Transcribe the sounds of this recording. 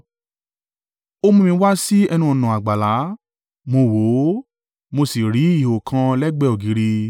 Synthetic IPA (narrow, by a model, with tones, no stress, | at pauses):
o˦mũ˦˧mĩ˧˦wa˦si˦ɛ˧nũ˧ɔ˨nã˨a˨ɡ͡ba˨la˨˦ | mo˧wo˨˦ | mo˧si˨ɾi˨˦i˦˨ho˨kʰã˧lɛ˦ɡ͡bɛ˦ɔ˨ɡi˨˦ɾi˧